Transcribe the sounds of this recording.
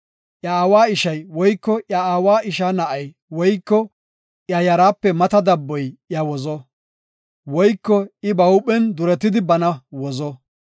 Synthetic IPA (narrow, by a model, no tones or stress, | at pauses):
ʔjɐːwaːɪʃɐjwɔjkːɔʔjɐaːwaːʔɪʃaːnɐʔɐj | wɔjkːɔ | ʔjɐjɐɾaːpːɛmɐt̪ɐd̪ɐbːɔjʔjɐwɔzɔ | wɔjkːɔɪbɐwpʼːɛnd̪ʊɾɛt̪ːɪd̪ɪbɐnɐwɔzɔ